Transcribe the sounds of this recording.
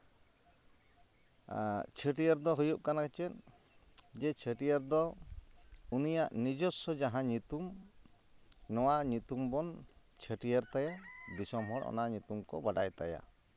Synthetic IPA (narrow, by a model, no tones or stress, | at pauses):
t͡ʃʰəʈijəɾd̪ɔɦujup̚kanakɛt͡ʃɛn | d͡ʒɛt͡ʃʰəʈijəɾd̪ɔ | unijaʔnid͡ʒɔsɔd͡ʒaɦãɲut̪um | nɔwaʔɲut̪umbɔn | t͡ʃʰəʈijəɾt̪ajad̪isɔmɦɔɽɔ̰naɲut̪umkɔ̰baɖajt̪a̰ja̰